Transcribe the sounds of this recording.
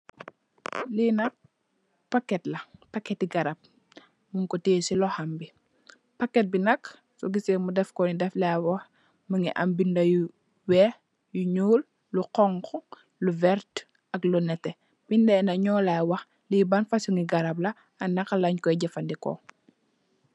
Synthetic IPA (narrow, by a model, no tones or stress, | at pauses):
linɐ | pakːɛtlɐpakːɛtːiɡɐɾab̚ | muŋkɔteːsilɔhambi | pakːɛt̚binɐk | sɔɡisemudɛfkɔnidɛflɛwɐx | məŋɡiʔɐ̰mbindɐju | wɛ | juɲuːl | luqɔŋkɔ | luvɛɾt | ɐklɔnɛtɛ | b̥indɛnɐɲɔːlawɐx | libanfasuŋiɡɐɾɐb̚lɐ | ɐnɐkalaɲkɔiɟɛfɐndikɔ̰